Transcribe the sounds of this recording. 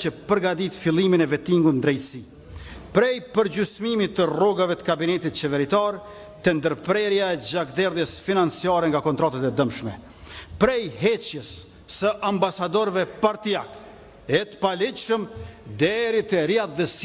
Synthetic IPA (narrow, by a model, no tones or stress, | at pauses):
t͡ɕəpəɾɡad̪it̪filˠiminɛvɛt̪iŋɡunnd̪ɾɛjt̪əsi | pɾɛjpəɾd͡ʑysmimit̪ərɔɡavɛt̪ə̥kabinɛt̪it̪̚t͡ɕɛvɛɾit̪ɑɾ | t̪ɛnd̪əɾpɾɛɾjaɛd͡ʑakd̪ɛɾðjɛsfinant͡sijɑɾɛŋɡakɔnt̪ɾat̪at̪ɛd̪əmʃmɛ | pɾɛjɦɛt͡ɕjəsː | əʔambasad̪ɔɾvɛpaɾt̪iak | ɛt̪ə̥palit͡ʃʃəmd̪ɛɾit̪ɛɾjatðɛs